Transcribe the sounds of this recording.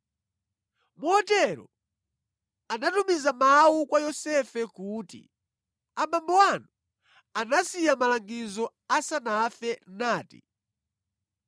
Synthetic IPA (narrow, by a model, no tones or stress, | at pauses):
muɔtɛɾɔ̰ | anatumizamawukwajɔsɛfɛkuːtḭ | aɓambɔwanu | anasijamalaŋɡizɔ | asanafɛnaːtḭ